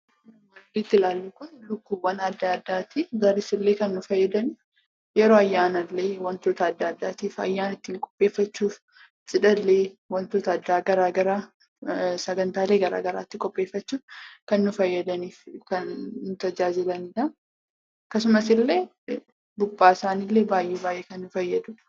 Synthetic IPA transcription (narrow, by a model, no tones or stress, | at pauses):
wɐd̪iːt̪ːɪlaːlːuːkʊnlʊkːuːbwɐnɐd̪ːaːd̪ːaːt̪iɡɐɾɪsɪlːe̞ːkɐnːʊfɐjːɐd̪ɐni | jɛɾoːɐjːaːnɐlːeːwɐnt̪oːt̪ɐːd̪ːaːd̪ːaːt̪iːfɐ̰jːaːnɐɪt̪ːiːŋkʼɔ̥pʼːeːfːɐt͡ʃːuːf | sʼɪᶑɐlːeːwɐnt̪oːt̪ɐːd̪ːaːɡɐɾaːɡɐɾaː | sɐɡɐnt̪aːleːɡɐɾa̰ːɡɐɾa̰ːt̪ːɪkʼɔpʼːe̞ːfːɐt͡ʃːuːfkɐnːʊfɐjːɐd̪ɐniːfkɐnːʊt̪ɐd͡ʒaːd͡ʒɪlɐnɪᶑ̪ɐ | kːɐsʊmɐsɪlːe̞ː | bʊbːaːɪsaːnilːe̞ːbaːjʔeːbaːjʔeːkɐnːʊfɐjːɐd̪ʊ̥